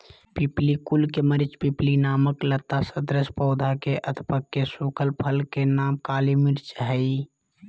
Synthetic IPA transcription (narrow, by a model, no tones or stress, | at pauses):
piplikulkeməɾɪt͡ʃpiplinaːməklət̪ːasəd̪ɾəspɔːd̪ʱakeʔəd̪ʰʱpəkːesukʰəlpʰəlkenaːmkaːlimɪɾt͡ʃɦəi